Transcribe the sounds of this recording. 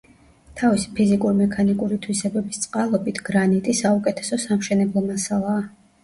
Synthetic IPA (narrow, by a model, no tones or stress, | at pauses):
t̪ʰavisi̥pʰizikʼuɾimɛkʰanikʼuɾit̪ʰwisɛbɛbist̪sʼqʼalˠɔbit̪ʰɡ̥ɾanit̪ʼisaukʼɛt̪ʰɛ̥sɔsamʃɛnɛblˠɔmasalˠaː